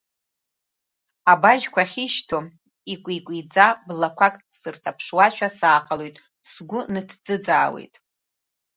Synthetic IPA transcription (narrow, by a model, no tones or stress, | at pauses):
abaʒᶣkʷaχʲiʃtʰo | ikʷʼikʷʼid͡zablakʷʰakʼsɨrtʰapʰʂwaʃᶣasaːqʰʼalojtʼ | sɡʷʊnɨtʰd͡zɨd͡zaːwḛjtʼ